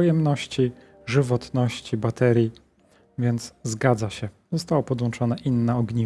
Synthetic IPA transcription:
ɔjɛmnɔɕt͡ɕi | ʐɘvɔt̪nɔɕt͡ɕibat̪ɛɾʲji | vʲjɛnd̪zzɡad̪zaɕɛ | zɔst̪awɔpɔd̪wɔnt͡ʂɔnɛʔinːaɔɡɲi

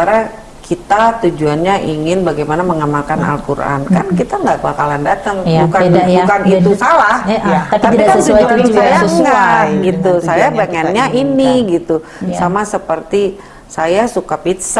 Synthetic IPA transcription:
aɾa | kʰit̪at̪ud͡ʒuanɲaʔiŋɪnbaɡajmanaməŋamalkana̰lkuɾʔa̰nkankit̪aŋɡaʔbakalandat̪əŋbukabubukanit̪usalaht̪ap̪apikasuɪŋsajaŋɡaɡit̪usajabaŋanɲaʔiniɡit̪u | samasəpərt̪i | sajasukapit̪sa

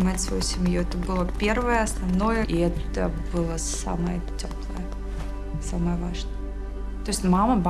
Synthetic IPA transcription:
ɪmatʲsvɐ̰jusʲɪmjuɛt̪əbɨlˠəpʲe̞rvəjəɐsnɐvno̞jəʔiɛt̪əbɨlˠəsa̰məjə̰tʲoplˠə̰jə | saməjəvaʐnəjə | t̪oɪsʲtʲmaməb

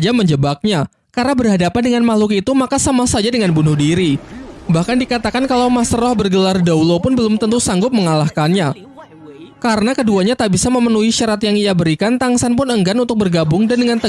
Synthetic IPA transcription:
d͡ʒaməɲd͡ʒəbak̚ɲa | karnabərɦadapandəŋanmalʊkit̪umakasamasad͡ʒadəŋanbunʊhdiɾibahkandikat̪akankalawmasɾɔhbərɡəlardaulopʊnbəlʊmt̪ənt̪usaŋɡʊp̚məŋalahkanɲa | kaɾənakəduaɲat̪aʔbisaməmənuiʃaɾat̪jaŋiabəɾikant̪aŋsanpʊnəŋɡanunt̪ʊk̚bərɡabʊŋdandəŋant̪ə

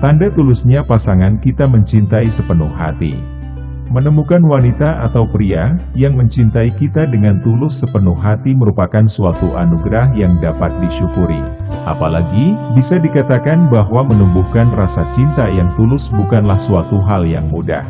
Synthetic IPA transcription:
t̪andat̪ulʊsɲapasaŋankit̪aməɲt͡ʃint̪aisəpənʊhːa̰t̪ḭ | mənəmukanwanit̪aʔat̪awpɾiajaŋməɲt͡ʃint̪aikit̪adəŋant̪ulʊsːəpənʊhːat̪iməɾupakansuat̪uʔanuɡɾahjaŋdapat̪̚diʃukuɾḭ | ʔa̰palaɡibisadikat̪akanbaɦwamənumbuhkanrasat͡ʃint̪ajaŋt̪ulʊsbukanlahsuat̪uɦaljaŋmuda̰h

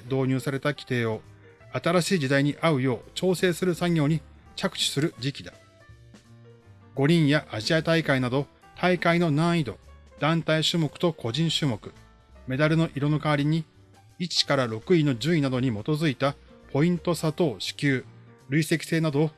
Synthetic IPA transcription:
d̪o̞ːɲ̟ɨːsaɾe̞t̪akʲi̥t̪e̞ːo̞ | at̪aɾaɕiːd͡ʑid̪aiɲ̟iʔaɯ̟jo̞ːt͡ɕo̞ːse̞ːsɨɾɯ̟saŋʲjo̞ːɲ̟i | t͡ɕakɯ̟̥ɕi̥sɨɾɯ̟d͡ʑikʲid̪ḁ | ɡ̥o̞ɾʲĩɰ̃jaʔaʑiat̪aikainad̪o̞ | t̪ʰaikaino̞nãɰ̃id̪o̞̰d̪̥ãnt̪aiɕɨːmo̞kɯ̟̥t̪o̞kʰo̞ʑĩɰ̃ɕɨːmo̞kɯ̟ | me̞d̪aɾɯ̟no̞ʔiɾo̞no̞kaβɾʲiɲ̟i | it͡ɕi̥kaɾaɾo̞kɯ̟ino̞d͡ʑɨinad̪o̞ɲ̟imo̞t̪o̞zɨit̪a | pʰo̞ĩnt̪o̞sat̪o̞ːɕi̥kʲɨːɾɯ̟ise̞kʲi̥se̞ːnad̪o̞ː

